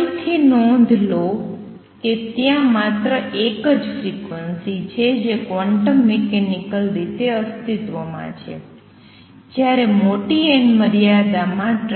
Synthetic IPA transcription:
lt̪ʰinɔ̃nd̪ʱlo | ket̪jãmat̪ɾəʔekəd͡ʒfɾikʋənsit͡ʃʰed͡ʒekʋaɳʈəmːekenikəlɾit̪eəst̪it̪ʋomã̰t͡ʃʰḛ | d͡ʒjaɾemoʈienməɾijad̪amãʈ

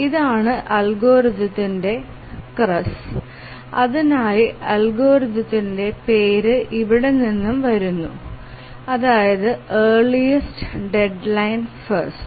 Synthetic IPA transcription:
iðaːɳɨʔɐlɡo̞ːɾid̪ɐt̪ːinde̞ | krɐs | ɐðinaːjiɐlɡo̞ːɾid̪ɐt̪ːinde̞peːɾɨʔiʋiɽe̞ninːumʋɐɾunːu | ɐðaːjɐðɨeːɭijɐstɨɖe̞ɖlɐjnfɐrst

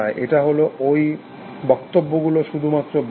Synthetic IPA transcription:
aeʔeʈaɦoloʔoj | bɔkt̪obːoɡuloʃud̪ʱumat̪ːɾob

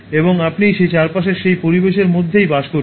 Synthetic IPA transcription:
eboŋapnijʃet͡ɕaɾpaʃeɾʃejpoɾibeʃeɾmod̪ʱːejbaʃkoɾ

